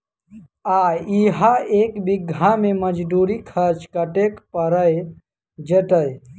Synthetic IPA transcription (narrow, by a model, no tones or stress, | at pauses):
aiɦaeːkbiɡʱãmẽməd͡ʒd̪uːɾikʰəɾt͡ʃkəʈekpəɾəj | d͡ʒət̪əj